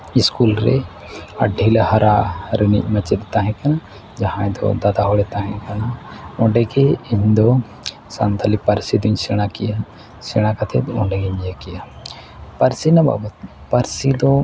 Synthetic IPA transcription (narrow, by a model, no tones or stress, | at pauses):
iskulɾɛ̰ | ɐ̰ɖʱːilehɐɾaɾənḭʔ̚mɐt͡ʃɛt̪̚t̪aɦɛ̃kana | d͡ʒaɦãɛ̃d̪ɔ̰d̪ad̪aɦɔɽɛt̪aɦɛ̃kanaɔɳɖɛɡeiɲd̪ɔ | sa̰nt̪alipɐɾsid̪uɲsɛɽ̃akija | sɛɽ̃akat̪ʰɛt̪ɔɳɖɛɡɛɲɛkija | pɐɾsinɐba̰bɐt̪ | pɐɾsid̪ɔ